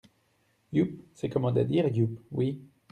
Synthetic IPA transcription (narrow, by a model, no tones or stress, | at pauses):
jup̚sɛkɔmɑ̃d̪a̰d̪iʁjupwi